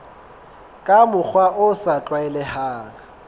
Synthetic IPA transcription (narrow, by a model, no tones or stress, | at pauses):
kʼamʊk͡xʰwaʔʊsat͡ɬʼwaɛlɛhaːŋa